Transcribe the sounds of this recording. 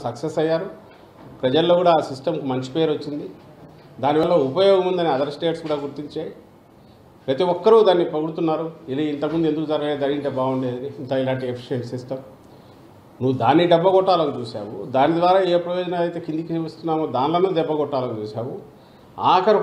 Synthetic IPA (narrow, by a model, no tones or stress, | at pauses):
sɐksesɐjːaːɾu | pɾɐd͡ʒɐlːoːkuːɽaːsisʈɐmkumɐɲt͡ʃi̥peːɾot͡ʃːind̪i | d̪aːniʋɐlːɐupɐjɔːɡɐmund̪ɐniɐd̪ɐɾsʈeːʈskuːɽaːɡuɾt̪iɲt͡ʃaːji | pɾɐt̪iɔkːɐɾud̪aːnːipɐɡuɽut̪unːaːɾuiliint̪ɐkmund̪ue̞nd̪ukud͡ʒɐɾɡɐleːd̪ɐːninʈ̪ebaːuɳɖeːd̪ɐniint̪ɐilaːɳʈiepʰi̥ʃieɳʈsisʈɐm | nuːud̪aːnːiɖɐbːɐɡɔʈːaːlɐɡut͡ʃuːsa̰ːwud̪aːnid̪ʋaːɾaːeːpɾɐjɔːd͡ʒɐnalɐjt̪eːkind̪ikiɐst̪unːaːmud̪aːnlɐmud̪ɛbːɐɡɔʈːaːlɐkut͡ʃuːsaːwu | aːkɐɾ